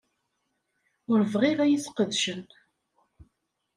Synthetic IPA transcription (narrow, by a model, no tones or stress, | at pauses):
ʊɾvʁɪʁæjiθqəðʃən